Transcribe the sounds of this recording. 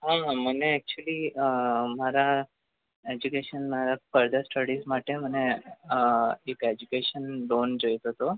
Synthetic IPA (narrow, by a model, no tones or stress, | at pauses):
ɦãɦãməneɛk̚t͡ɕuəliːəmaɾa | ed͡ʑukeɕənmaɾafəɾd̪ʱəɾsʈəɽismaʈʰem̤əne | eked͡ʑukeɕənɖond͡ʑəjt̪ot̪o